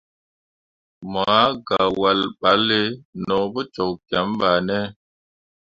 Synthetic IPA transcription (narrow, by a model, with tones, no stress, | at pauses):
ma˨a˦ɡa˨wa˨lɓa˨˦le˦nɔ˨bɔ˦t͡ʃɔ˨kkja˨˦mɓa˨nɛ˦